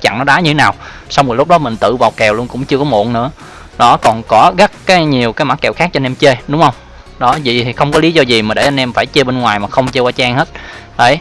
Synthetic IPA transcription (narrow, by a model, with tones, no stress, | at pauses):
t͡ɕa̰˧˨ŋnɔ˨˦ɗaː˨˦ɲ˧t̪e˦naː˨˩w | sa˧wmɨ˨˩lʊ˦˥k͡p̚ɗɔ˨˦mï˨˩ŋ̟t̪ɨ̰˧˨vaː˨˩wkɛ˨˩wlu˧ənkʊ̰˧˥ŋ͡mt͡ɕɨ˧əkɔ˨˦mo̰˧˨ənnɨ̰˧˥ə | ɗɔ˨˦kɔ˨˩nkɔ˨˦ɣə˦˥t̚kaː˨˦jɲi˨˩əwkaː˨˦jma˧˥kːɛ˨˩wxaː˦˥k̚t͡ɕɔ˧nʔɛ˧mt͡ɕe˧ɗʊ˨˦ŋ͡mhə˧wŋ͡m | ɗɔ˨˦zḭ˧˨i˨˩xə˧wŋ͡mkɔ˨˦li˨˦zɔ˧zi˨˩maː˨˩ɗe˧˩ʔa˧nʔɛ˧mfaː˧˩jt͡ɕe˧ɓe˧nŋwaː˨˩jmaː˨˩xə˧wŋ͡mt͡ɕe˧waː˧t͡ɕaː˧ŋhe˦˥t̚ɗə˨˧˩j